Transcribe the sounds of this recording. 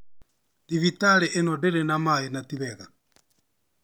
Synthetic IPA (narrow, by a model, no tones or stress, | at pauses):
diβitalɛʔenɔdɛɾɛnamainatiβɛɣa